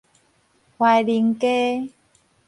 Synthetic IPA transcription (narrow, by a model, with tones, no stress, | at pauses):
hwa˧jli˧˦ŋke˦